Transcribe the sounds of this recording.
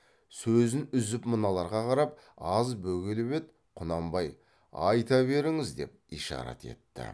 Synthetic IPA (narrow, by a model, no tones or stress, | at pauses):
sɵzɪnʏzɪpmənɑlˠɑɾʁɑqʰɑɾɑp̚ | ɑzbɵɡʲelɪbe̞t̪ | qʰʊnɑmbɑj | ɑjt̪ɑβe̞ɾɪŋɪzd̪e̞p̚ijʃɑ̰ɾɑ̰t̪ʰe̞̰t̪ːɪ̰